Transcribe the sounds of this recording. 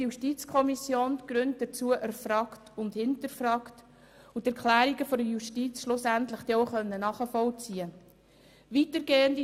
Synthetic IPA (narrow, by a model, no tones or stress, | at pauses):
juʃtit͡skʰɔmisjoːnɡ̥ɾønt̚d̥ət͡suːəʔæɾfɾɑːktʊndhɪntəɾfɾɑːkt | ʊtæɾkχlæːɾiɡəfɔdəjuʃtit͡sʃlʊsæntləχd̥ɛoʊχœnːənɑːχəfɔlt͡siə | ʋitəɾɡeːəndi